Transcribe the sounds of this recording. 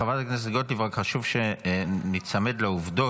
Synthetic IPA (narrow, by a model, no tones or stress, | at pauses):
avataknes̬eɡot̪livʁakχaʃuvʃenit͡samed̪leuvd̪o